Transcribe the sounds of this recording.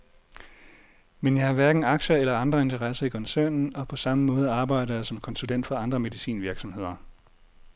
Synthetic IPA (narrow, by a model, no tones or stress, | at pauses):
menjɑ̈hɑ̈ʋæɐɡ̥n̩ɑ̈ɡ̥ɕɐelɐɑ̈nd̥ʁɐe̝nt͡sʰɐʁɑsɐikʰɒ̽nsæɐnn̩ɒ̽pʰɒ̽sɑ̈məmɔ̽ːð̞ˠɑ̈ːb̥ɑ̈ɪ̰ɾɐjɑ̈sɒ̽mkʰɒ̽nsulen̰d̥fɒɑ̈nd̥ʁɐme̝ðˠisḭːnʋiɐɡ̥sɒ̽mhe̝ð̞̰ˠɐ